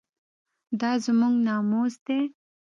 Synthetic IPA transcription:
d̪ɑzmuŋɡnɑmozd̪e

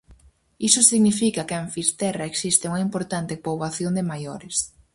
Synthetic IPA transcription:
isʊsiɣnifikɐkɪeɱfist̪ɛrɐeksist̪ɪuŋɐimpoɾt̪ant̪ɪpoβaθjond̪ɪmajoɾɪs

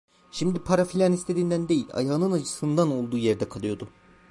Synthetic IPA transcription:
ʃimd̪ipʰaɾafilʲanist̪ʰe̞d̪iːnd̪ænd̪e̞jilʲa̰jaːɯnɯnat͡ʃʰɯ̥sɯnd̪ano̞lˠd̪uːjeɾd̪ɛkʰalˠɯjo̞d̪ʊ

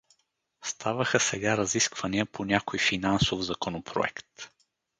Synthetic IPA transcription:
st̪ʰavəxəsɛɡaɾɐziskvɐniəpʰonʲakojfinansovzɐkonopʰɾo̰ɛ̰kt̪

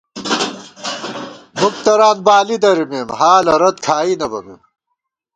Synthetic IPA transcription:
muk̚t̪ɐɾaːnbaːlid̪ɐɾimeːmhaːlɐɾɐt̪kʰaːinɐbɐmem

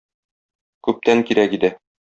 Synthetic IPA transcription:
kʉp̚t̪æŋkiɾækid̪æ

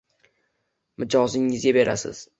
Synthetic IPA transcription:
mɪd͡ʒɒzɪŋɪzɡʲabe̞ɾa̰sɪ̰z̥

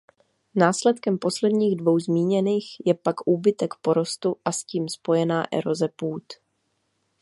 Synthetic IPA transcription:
naːslɛt̪kɛmpo̞slɛdɲiːɣdvo̞wzmiːɲɛniːxjɛpakʔuːbɪt̪ɛkpo̞ɾo̞st̪uʔasciːmspo̞jɛnaːʔɛ̰ɾo̞zɛpuːt̪

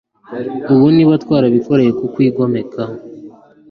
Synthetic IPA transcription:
uβoniβatwaːɾaβiko̞ɾe̞jekukwiːɡo̞me̞kʰa

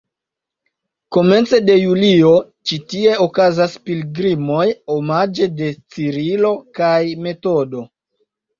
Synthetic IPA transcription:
ko̞me̞nt͡se̞de̞julio̞ | t͡ʃitie̞okazaspilɡɾimo̞jomad͡ʒe̞de̞t͡siɾilo̞kajme̞to̞do̞

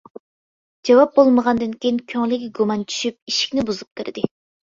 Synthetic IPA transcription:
d͡ʒɑwɑp̚bolˠməʁɑnd̪ɨnkʲiinkʲʰøŋlɪkʲɡumɑnt͡ʃʰy̥ʃyp̚iʃi̥kʲnɪbuzup̚kʲʰɨɾd̪ɪ

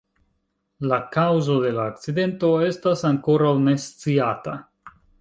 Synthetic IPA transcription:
lakawzo̞de̞laːk̚t͡side̞nto̞e̞stasaŋko̞ɾawne̞st͡siata

